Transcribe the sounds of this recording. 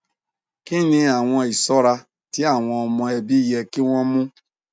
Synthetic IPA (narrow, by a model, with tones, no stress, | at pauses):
ki˦nĩ˧a˨w̃ʷɔ̃˧i˨sɔ˦ɾa˧ | ti˦a˦˨w̃ɔ̃˧ɔ˧mɔ̃˧e˨bi˦je˧ki˦wʷɔ̃˦mʊ̃˦